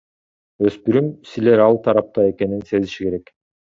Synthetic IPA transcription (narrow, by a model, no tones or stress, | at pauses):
ø̞spyɾymsileɾɑlˠt̪ʰɑɾɑp̚t̪ɑe̞ke̞ninse̞ziʃike̞ɾe̞k